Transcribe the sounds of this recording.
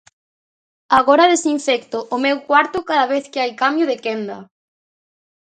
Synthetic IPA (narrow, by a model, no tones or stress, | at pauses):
aɣɔɾɐðesiɱfɛkt̪ʊʔʊmewkwaɾt̪ʊkaðɐβeθkɪajkamjʊðɪkɛnd̪ɐ